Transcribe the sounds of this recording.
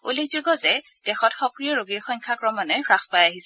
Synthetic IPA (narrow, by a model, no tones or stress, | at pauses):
olekzoɡɔzɛ | d̥ɛxɔtxɔkɹijɔɹoɡiɹxɔjŋkʰakɹɔmɔnɔɹaxpajaɦisɛ